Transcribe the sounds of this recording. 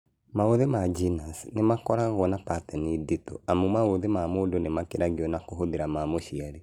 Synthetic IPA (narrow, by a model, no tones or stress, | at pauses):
maoðemad͡ʒinasnemakɔɾaɣɔnapatɛniditɔ̰amumaoðemamodonemakeɾaɣiɔnakoɦoðeɾamamoʃiaɾe